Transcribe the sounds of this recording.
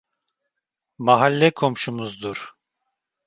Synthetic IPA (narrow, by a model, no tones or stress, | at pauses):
maɦalʲːɛkʰo̞mʃumuzd̪uɾ̥